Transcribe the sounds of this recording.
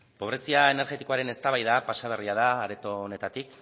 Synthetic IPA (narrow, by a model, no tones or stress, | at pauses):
po̞β̞ɾe̞siae̞ne̞ɾɣe̞t̪i̥koaɾe̞ne̞st̪aβajðapasaβ̞e̞riað̞aːɾe̞t̪o̞ne̞t̪at̪ik